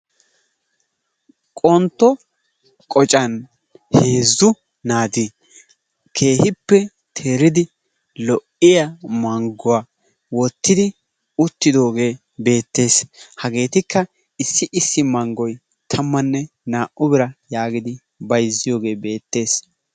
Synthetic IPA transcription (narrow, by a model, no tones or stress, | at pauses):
kʼɔnt̪ːɔ | kʼɔt͡ʃʼɐn | heːzːʊ | naːd̪i | kʰe̞ːhɪpːɛ | t̪ʰe̞ːɾɪd̪ɪ | lɔʔɪjamɐŋɡʊwaː | wɔt̪ːɪd̪ɪ | ʊt̪ːɪd̪o̞ːɡe̞ː | be̞ːt̪ːe̞ːshɐɡe̞ːt̪ɪkːɐ | ɪsːɪʔɪsːɪmɐŋɡɔj | t̪ʰɐmːɐnːɛ | naːʔʔʊbɪɾɐjaːɡɪd̪ɪ | bɐjzːɪjo̞ːɡe̞ːbe̞ːt̪ːe̞ːs